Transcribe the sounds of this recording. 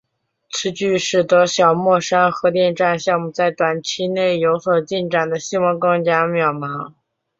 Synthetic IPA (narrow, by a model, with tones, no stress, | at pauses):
t͡sʰɹ̩˥t͡ɕy˥˧ʂɻ̩˥˩t̪ɤ˧˥ɕjɑ˨˩ʊmwɔ˥˩ʂa˥nxɤ˧˥t̪jɛ˥˧nʈ͡ʂa˥˧nɕjɑ˥˧ŋmu˥˧t͡sa˥˩ɪt̪wa˨˩nt͡ɕʰi˥ne˥˩ɪjo˧˥ʊswɔ˨˩t͡ɕi˥˩nʈ͡ʂa˨˩nd̪ə˦ɕi˥˧wɑ˧˥ŋkɑ˥ŋt͡ɕja˥mjɑ˨˩ʊmɑ˧˥ŋ